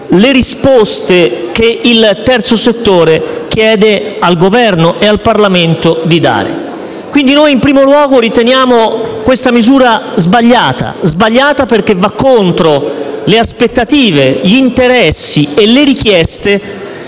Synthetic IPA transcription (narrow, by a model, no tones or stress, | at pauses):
leɾispost̪ekeilt̪ɛrt̪soset̪ːoːɾek̟jɛːd̪ealɡovɛrnoʔealparlament̪od̪id̪a̰ːɾḛ | kwind̪inojimpɾiːmolwɔːɡoɾit̪enjaːmokwest̪amizuːɾazbaʎːaːt̪a̰zbaʎːaːt̪aperk̟evːakːont̪ɾoleaspet̪ːat̪iːveʎiːnt̪eɾɛsːieleɾik̟jɛst̪e